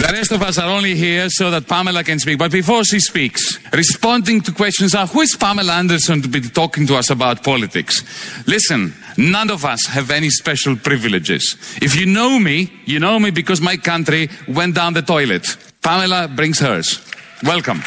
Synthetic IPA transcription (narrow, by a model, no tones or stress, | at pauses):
ðəɾɛstɔvʌs̬aɾõʊ̃nliɦiɹsoʊðæt̚pamɛlakɛ̃nspik̚b̥ʌt̚bifɔɹʃispiksɹispɔ̃ndɪ̃ŋtukwɛst͡ʃɔ̃nzahuɪz̥pamɛlaæ̃ndəsɔ̃ntubitɔkɪ̃ŋtuʌsəbawt̚pʰɔlit̪ɪ̰kslɪsɨ̃nːʌ̃nɔvɐshɛvɛnispɛʃəlˠpɾɪvilɪd͡ʒɪ̰z̥ɪfjɨnoʊmijɨnoʊmibikɔzmajkãntɾiwɛ̃ntdãʊ̃nðətɔjlɛt | pamɛlabɾɪ̃ŋz̥hə̰˞z̥ | wɛlkə̃m